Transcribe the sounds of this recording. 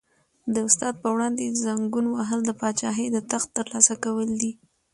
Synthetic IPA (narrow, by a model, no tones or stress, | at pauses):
d̪əʊst̪ɑd̪̚pəwɽɑnd̪ezaŋɡunwaɦəld̪əpɑt͡ʃɑɦed̪ət̪axt̪ːəɾlɑsakawəld̪i